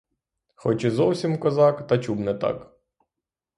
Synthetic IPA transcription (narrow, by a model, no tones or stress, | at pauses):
xɔt͡ʃɪzɔwsʲimkɔzɑkt̪ɐt͡ʃubnɛt̪ɑ̰k